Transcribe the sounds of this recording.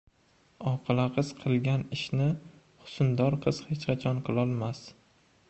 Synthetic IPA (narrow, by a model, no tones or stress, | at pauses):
ɒqʰɨlˠaqʰɨz̥qʰɨlˠɡʲanɪʃnɪ | χʊ̥sʊnd̪ɒɾqʰɨz̥het͡ʃqʰat͡ʃʰɒnqʰɨlˠɒlˠmas